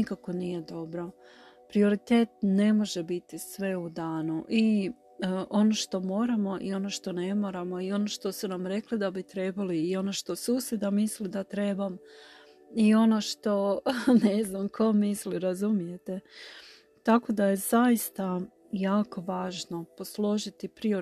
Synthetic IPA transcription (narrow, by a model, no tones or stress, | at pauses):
nikako̞nije̞d̪o̞bɾo̞ | pɾio̞ɾit̪e̞ːt̪̚ne̞mo̞ʒebit̪isʋe̞ud̪aːnuʔi | ʔo̞no̞ʃt̪o̞mo̞ːɾamo̞ʔḭo̞no̞ʃt̪o̞ne̞mo̞ɾamo̞io̞noʃt̪o̞sunamɾe̞klid̪abit̪ɾe̞baliːo̞noʃt̪o̞suːsjed̪amislid̪at̪ɾe̞bam | io̞no̞ʃt̪o̞neznamkʰo̞misliɾazumije̞t̪e | t̪ako̞d̪aje̞zajist̪a | jaːko̞ʋaːʒno̞po̞slˠo̞ʒit̪ipɾio